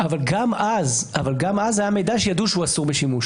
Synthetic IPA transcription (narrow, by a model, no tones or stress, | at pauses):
avalɡamaz | avalɡamazajame̞jd̪aʃejad̪uʃeuasuʁbeʃimuʃ